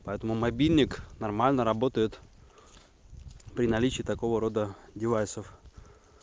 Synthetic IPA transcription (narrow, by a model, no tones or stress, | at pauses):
pɐɛt̪əmʊmɐbʲilʲnʲɪknɐrmalʲnəɾɐbo̞t̪əjɪt̪ | pɾʲɪnɐlʲit͡ɕɪːt̪ɐko̞vəɾo̞d̪ədʲɪvajsəf